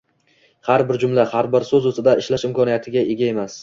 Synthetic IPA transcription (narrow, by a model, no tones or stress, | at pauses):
haɾbɪɾd͡ʒʊmlahaɾbɪɾsɵzɵsɪd̪aɪʃlaʃɪmkʰɒnijat̪ʰɪɡʲae̞ɡʲae̞mas